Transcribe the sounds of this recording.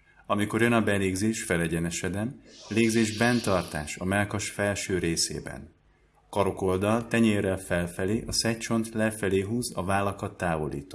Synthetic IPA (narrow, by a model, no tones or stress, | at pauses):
ɒmiko̞rjønɒbɛleːɡzeːʃfɛlɛɟɛnɛʃɛd̪ɛmleːɡzeːʒbɛnt̪ɒrt̪a̰ːʃɒmɛlkɒʃfɛlʃøːɾeːsḛːbɛ̰n | ɒkɒɾo̞ko̞ld̪ɒlt̪ɛɲeːrɛlfɛlfɛleːʔɒsɛt͡ʃo̞nt̪lɛfɛleːɦuːzɒvaːlːɒkɒt̪ːaːvo̞lḭːt̪o